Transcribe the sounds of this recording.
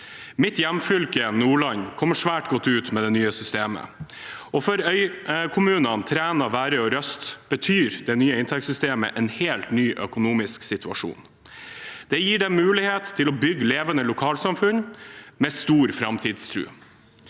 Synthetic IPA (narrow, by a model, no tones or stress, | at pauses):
mɪt̪jæmfʏlkənuːɭɑɲkʰɔmːəʂʋæːʈɡɔt̪ːʉːt̪mɛd̪ɛnyːəsʏst̪eːmə̰ | ɔfɔɾœʏkʰʊmʉːnɑnt̪ʰɾæːnɑʋæːɾəɔɾœst̪b̥ət̪ʰyːɾd̪ɛnyːəɪnt̪ʰɛksʏst̪eːmə̰ʔɛnheːlt̪nyːʔœkʊnuːmɪsksɪt̪ʰʉɑ̰ʂṵːn | d̪̥ɛjiːɖɛmʉːlɪheːt̪tʰːɪlɔbʏɡːleːʋənəlʊkʰɑːlsɑmfʉnmɛst̪uːɾfɾɑmt̪ʰiːd̪st̪ʰɾʉ̰ː